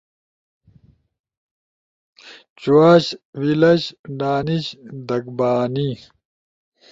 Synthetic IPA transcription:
t͡ɕuaːɕwilɐɕɖaːniɕd̪ɐkbaːni

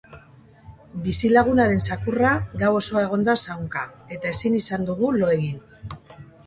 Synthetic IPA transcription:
bisilaɣ̞unaɾe̞nsakuraɡawo̞so̞ae̞ɣ̞o̞nd̪asawŋkae̞t̪ae̞sinisand̪uɣulo̞e̞ɣin

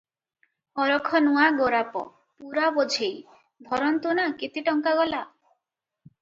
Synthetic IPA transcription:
ɔɾɔkʰɔnuaɡoɾapɔ̰ | puɾabod͡ʒʱej | d̪ʱɔɾɔnt̪unakit̪ʰiʈɔŋkaɡɔla

